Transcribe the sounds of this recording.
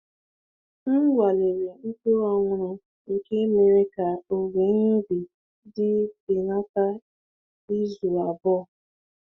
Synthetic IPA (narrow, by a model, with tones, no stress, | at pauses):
n̩˦ɡʷa˨le˨ɲe˨ŋ̩˦ke˦ɔ˦ŋʷʊ˨ɾʊ˨ | ke˦me˨ɾe˦ka˨o˨ɡe˨ɲe˦bi˨ | dɪ˦bi˨na˦ta˦ | i˦zu˨a˨bɔ˦˨